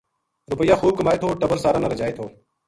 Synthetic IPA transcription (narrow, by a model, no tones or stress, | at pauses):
ɾʊpəjːaːxuːb̚kəmaːeːt̪ʰoːʈəbəɾsaːɾaːnaːɾəd͡ʒaːet̪ʰoː